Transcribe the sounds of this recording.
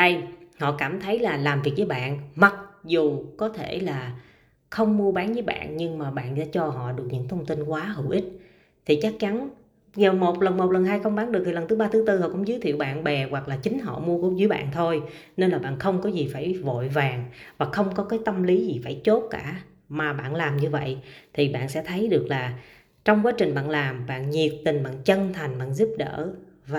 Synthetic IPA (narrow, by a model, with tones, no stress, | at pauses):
ə˧jhɔ̰˧˨kaː˧˩mt̪ʰə˨˦jlaː˨˩laː˨˩mvi˨˩ək̚vəː˨˦jɓa̰ː˧˨nma˨˩t̚zu˨˩kɔ˨˦t̪ʰe˧˩laː˨˩ | xə˧wŋ͡mmu˧əɓaː˨˦nzəː˨˦jɓa̰ː˧˨nɲɨ˧ŋmaː˨˩ɓa̰ː˧˨nza̰ː˧˥t͡ɕɔ˧ɦɔ̰˧˨ɗɨ˨˩ək̚ɲɨ̰˧˥ŋt̪ʰə˧wŋ͡mt̪i˧nkwaː˨˦ɦɨ˧˩wʔi˦˥t̟̚ | t̪ʰi˨˩t͡ɕa˦˥k̚t͡ɕa˨˦n | zəː˨˩mo˨˩t̚lə˨˩nmo˨˩t̚lə˨˩nɦaː˧jxə˧wŋ͡mɓaː˨˦nɗɨ˨˩k̪̚ʰi˨˩lə˨˩nt̪ɨ˨˦ɓaː˧t̪ʰɨ˨˦t̪ɨ˧hɔ̰˧˨kʊ̰˧˥ŋ͡mzɨː˨˦jt̪ʰḭ˧˨əwɓa̰ː˧˨nɓɛ˨˩ɣwa˨˩k̚laː˨˩t͡ɕï˨˦ŋ̟ɦɔ̰˧˨mu˧əko˧˦zɨ˨˦jɓa̰ː˧˨nt̪ʰo˧j | ne˧nlaː˨˩ɓa̰ː˧˨nxə˧wŋ͡mkɔ˨˦zi˨˩faː˧˩jvo̰˧˨jvaː˨˩ŋvaː˨˩xə˧wŋ͡mkɔ˨˦kaː˨˦jt̪ə˧mli˨˦zi˨˩faː˧˩jt͡ɕo˦˥t̚kaː˧˩ | maː˨˩ɓa̰ː˧˨nlaː˨˩mɲɨ˧və̰˧˨jt̪ʰi˨˩ɓa̰ː˧˨nsɛ̰˧˥t̪ʰə˨˦jɗɨ˨˩ək̚laː˨˩ | t͡ɕɔ˧wŋ͡mkwaː˨˦t͡ɕï˨˩ŋ̟ɓa̰ː˧˨nlaː˨˩mɓa̰ː˧˨nɲi˨˩ət̚t̪ï˨˩ŋ̟ɓa̰ː˧˨nt͡ɕə˧nt̪ʰa˨˩jŋ̟ɓa̰ː˧˨nzu˦˥p̚ɗə̰ː˧˥va˨